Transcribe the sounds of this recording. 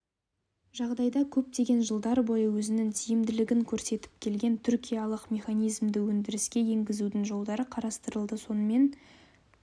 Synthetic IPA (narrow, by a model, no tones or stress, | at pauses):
ʒɑʁd̪ɑjd̪ɑkʲʰɵp̚t̪e̞ɡʲe̞nʒəlˠd̪ɑɾbo̞jəwɵzɪnɪŋt̪ʰijɪmd̪ɪlɪɡʲɪŋkʲʰɵɾse̞t̪ɪ̥p̚kʲʰe̞lɡʲe̞nt̪ʰʏɾkʲijɑlˠəqmʲe̞χɑnʲijzmd̪ɪwɵnd̪ɪɾɪskʲe̞je̞ŋɡʲɪzud̪ɪŋʒo̞lˠd̪ɑɾəqʰɑɾɑst̪əɾəlˠd̪əso̞nəme̞n